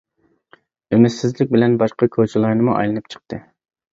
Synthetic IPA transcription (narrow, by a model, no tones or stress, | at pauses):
emɪsːɪzlɪk̚ʲbɪlɛnbɑʃqɑkʲʰot͡ʃʰilˠɑɾnɨmuʔɑ̰jlˠɨnɨp̚t͡ʃʰə̥q̚t̪ɨ